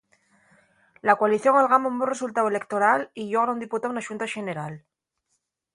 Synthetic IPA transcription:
lakwaliθjo̞ŋalɣamombure̞sult̪awe̞le̞kt̪o̞ɾaliʎoɣɾaund̪iput̪aunaʃunt̪aʃe̞ne̞ɾal

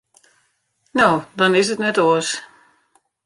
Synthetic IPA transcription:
noːdɔnɪsətnɛtoəs

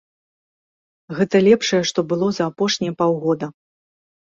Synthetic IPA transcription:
ɣɛt̪ɐlʲɛpʂɐjɛʂt̪ɔbɨlˠɔzɐːpɔʂnʲijɐpawɣɔd̪ɐ

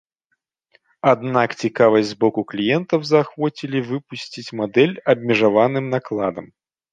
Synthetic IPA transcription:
ad̪nakt͡sʲikavɐsʲzbɔkʊklʲijɛnt̪ɐwzɐxvɔt͡sʲilʲivɨpusʲt͡sʲit͡sʲmad̪ɛlʲɐbʲmʲɪʐavanɨmnaklˠad̪ɐm

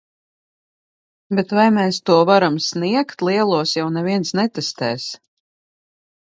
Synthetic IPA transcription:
bet̪vajmɛːst̪uɔvaɾamsniɛkt̪liɛlˠuɔsjawnɛviɛnsnɛt̪ɛst̪ɛːs

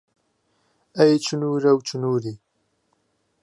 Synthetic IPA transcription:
ɐjt͡ʃʰunuːɾɐwt͡ʃunuːɾi

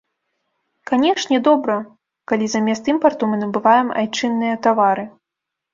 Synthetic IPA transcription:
kanʲɛʂnʲɛd̪ɔbɾɐ | kalʲizamʲɛst̪ɨmpɐrt̪umɨnɐbɨvajɛma̰jt͡ʂɨnːɨjɐt̪avaɾɨ

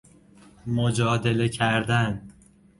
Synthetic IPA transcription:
mod͡ʒɒːd̪e̞le̞cʰæɾd̪æn

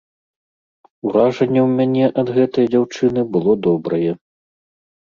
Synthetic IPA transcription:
uɾaʐɐnʲːɛwmʲanʲɛʔɐd̪ɣɛt̪ɐjd͡zʲawt͡ʂɨnɨbɨlˠɔd̪ɔbɾɐjɛ

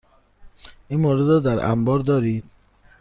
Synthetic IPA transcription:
ʔinmoːɾed̪ɾɔːd̪æɾʔæ̰mbɒːɾd̪ɒːɾiːd̪̥

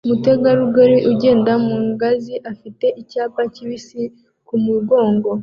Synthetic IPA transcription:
umute̞ɡaɾuɡoɾiʔuɟe̞ːndamuːŋɡaziʔafite̞ʔicaːpaciβisi | kumuɡo̞ːŋɡo̞

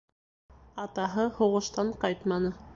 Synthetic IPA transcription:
ɑt̪ɑɦɤhŏʁɤ̆ʃt̪ɑɴqɑjt̪mɑnɤ

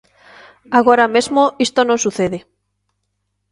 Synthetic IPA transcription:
aɣ̞oɾamezmoist̪onõnsuθeðe

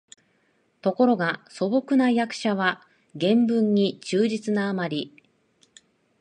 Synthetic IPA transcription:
t̪o̞ko̞ɾo̞ɡaso̞bo̞kɯ̟najakɯ̟̥ɕaβa | ɡẽ̞mbɯ̟̃ɲ̟ːit͡ɕɨːʑit͡sɨnaːmaɾʲi

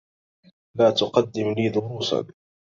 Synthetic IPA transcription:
laːt̪ʊqɑd̪ːɪmliːd̪ʊɾuːsa̰n

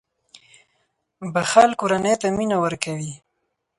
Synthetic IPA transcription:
baxalkoɾanet̪aminawəɾkawi

